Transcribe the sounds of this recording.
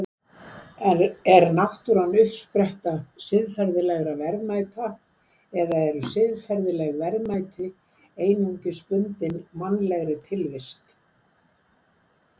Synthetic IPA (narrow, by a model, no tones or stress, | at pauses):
ɛɾnaht̪ʏɾanːʏfspɾɛht̪asɪðfɛɾðɪlɛɣɾavɛɾðmaːjt̪a | ɛðaɛɾʏsɪðfɛɾðɪlɛɣvɛɾðmajt̪ʰɪ | eːjnuɲcɪspʏnt̪ɪnmanːlɛɣɾɪt̪ʰɪlvɪst̪